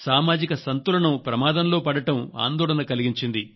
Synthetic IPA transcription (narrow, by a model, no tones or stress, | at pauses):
saːmaːd͡ʒikɐsɐnt̪uɾɐɳɐmpɾɐmaːd̪ɐmlo̞ːpɐɽɐʈɐma̰ːnd̪ɔːɭɐnɐkɐliɡiɲt͡ʃind̪i